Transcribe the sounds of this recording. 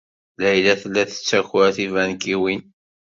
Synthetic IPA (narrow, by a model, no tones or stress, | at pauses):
læjlæθlːæθə̥t͡sːæçʊɾæθivænkiwin